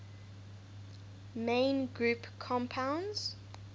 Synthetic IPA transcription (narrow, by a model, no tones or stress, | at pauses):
mẽɪnɡɹuˑpkʰɔ̃mpʰãʊ̃ndz̥